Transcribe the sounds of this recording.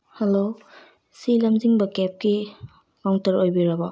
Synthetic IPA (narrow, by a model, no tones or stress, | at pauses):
helo | silɐmziŋbɐkep̚ki | kawŋtɐɾojbiɾɐbɐ